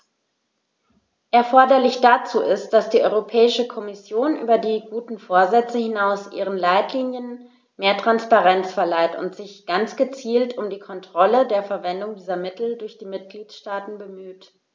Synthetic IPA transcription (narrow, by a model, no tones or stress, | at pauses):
ʔɛɐfɔɐdɐlɪçd̥at͡suːʔɪst̚d̥asd̥iːʔɔʏʁopʰɛːɪʃəkʰɔmɪsjoːnʔy̰ːbɐdiːɡuːtn̩foːɐzɛt͡səhɪnaʊsʔḭːʁ̞ənlaɪtliːnjən | meːɐtʁ̥anspaʁɛnt͡sfɛɐlaɪtʊ̰ntz̥ɪçɡ̥ant͡sɡ̥ət͡siːltʊmdiːkʰɔntʁ̥ɔlədeːɐfɛɐvɛndʊŋdiːzɐmɪtl̩dʊɐçd̥iːmɪt̚ɡ̥liːtʃtaːtn̩bəmyːt